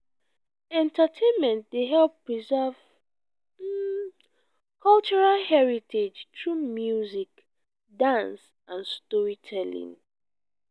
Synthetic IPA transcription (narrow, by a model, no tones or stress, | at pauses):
ɛ̃ntatʰẽnmɛ̃nt̚deɦɛlpɹizɛv̩ | kʰɔlt͡ʃuɹalhɛɹitʰed͡ʒtɹumjuzik | dãns | ʔãnstɔɹitʰɛlḭ̃ŋ